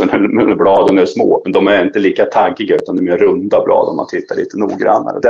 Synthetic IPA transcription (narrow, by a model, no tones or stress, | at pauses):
ɔnæmɛnblɑːd̪ənɛʂmoːmɛnd̪ɔmæɾɪnt̪əliːkat̪ʰaɡːɪɡaʉːt̪and̪ɛmeːɾɵnd̪ablɑ̰ːd̪ənma̰nt̪ʰɪt̪ʰːaɭḭːt̪ənṵːɡɾa̰nːa̰ɾəd̪ɛ